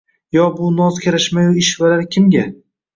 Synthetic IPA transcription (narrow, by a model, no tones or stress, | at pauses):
jɒbʊnɒzkʲʰaɾaʃmajʊɪʃvalaɾkʲʰɪmɡʲa